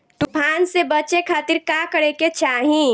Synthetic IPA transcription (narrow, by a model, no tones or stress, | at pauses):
t̪upʰaːnsebət͡ʃekʰaːt̪iɾkakəɽeket͡ʃaːɦĩ